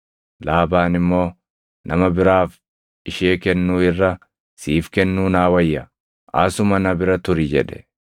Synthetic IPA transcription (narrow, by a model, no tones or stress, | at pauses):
laːbaːnɪmːo̞ː | nɐmɐbɪɾaːf | ɪʃeːkɛnːuːɪrːɐ | siːfkɛnːuːnaːwɐjːɐ | ʔa̰sʊmɐnɐbɪɾɐt̪ʊɾɪd͡ʒɛ̰ᶑɛ̥